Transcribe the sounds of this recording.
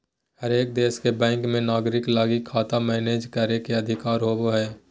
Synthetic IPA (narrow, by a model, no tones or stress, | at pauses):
həɾeːk̚d̪eːskebɛ̃ːŋkmẽnaːɡɾɪklaːɡikʰːaːt̪amɛːneːd͡ʒkəɾekeɐd̪ʱɪkaːɾɦoːboɦɛː